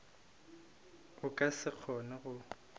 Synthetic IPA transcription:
ʊkʼasɪk͡xʰɔnɛɣʊ

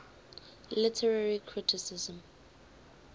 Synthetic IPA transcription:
lɪtʰɛɹaɹikʰɹɪtʰɪsɪzə̃m

